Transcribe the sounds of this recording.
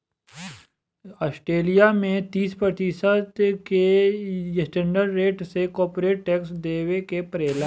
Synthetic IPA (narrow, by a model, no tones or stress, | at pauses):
ɔːsʈɾeːlijamẽt̪iːspɾət̪isət̪kejsʈẽɳɖəɾːeːʈsekɔːɾpɾeːʈ̚ːɛːksd̪eːwekepɾeːla